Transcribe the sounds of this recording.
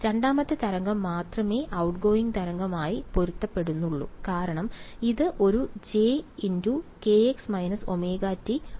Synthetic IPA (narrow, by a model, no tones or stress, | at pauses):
ɾeɳɖaːmɐt̪ːɨt̪ɐɾɐŋɡɐmːaːt̪rɐme̞ːʔɐwʈɡo̞ːiŋɡt̪ɐɾɐŋɡɐmaːjipo̞ɾut̪ːɐpːe̞ɽunːuɭːṵkaːɾɐɳɐmiðɨʔo̞ɾud͡ʑeːinduke̞eksmɐjnɐso̞me̞ːɡaːtːi